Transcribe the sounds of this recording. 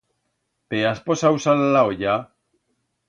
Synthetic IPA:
peasposawsallaoja

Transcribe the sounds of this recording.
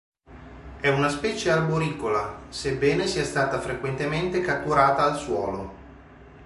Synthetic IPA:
ɛunaspɛːt͡ʃearboɾiːkolasebːɛːnesiɛst̪aːt̪afɾekwent̪ement̪ekat̪ːuɾaːt̪aːlswɔ̰ːlo

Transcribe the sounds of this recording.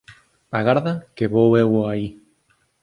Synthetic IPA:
aɣaɾðakeβowewai

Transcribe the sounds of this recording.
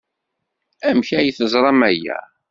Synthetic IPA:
æmçæjəθəzˤɾˤɑmæjæ̰

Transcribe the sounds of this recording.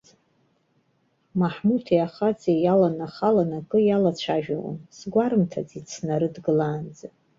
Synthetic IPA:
maħmutʰiaχat͡sʼejalanaχalanakʼɨjalat͡ɕʷʰaʒᶣawa̰nsɡʷaɾɨmtʰad͡zit͡sʰnaɾɨdɡɨlaːnd͡za

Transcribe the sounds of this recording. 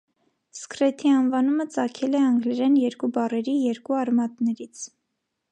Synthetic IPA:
skɾɛt̪ʰiɑnvɑnumət͡sɑkʰɛlɛɑŋɡlɛɾɛnjɛɾkubɑrɛɾijɛɾkuɑrmɑt̪nɛɾit͡sʰ

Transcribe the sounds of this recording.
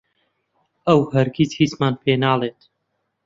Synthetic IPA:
əwhɐɾkiːt͡shiːt͡smaːnpʰeːnaːlˠeːt̪

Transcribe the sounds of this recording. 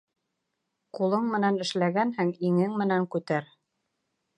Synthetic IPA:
qulˠɤɴmɘ̆nænɘ̆ʃlæɡænhɘŋiŋɘŋmɘ̆næŋkʉt̪æɾ

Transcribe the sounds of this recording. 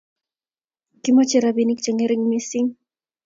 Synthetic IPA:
kimɔt͡ʃɛɾabinik̚t͡ʃɛŋɛɾiŋmisiŋ

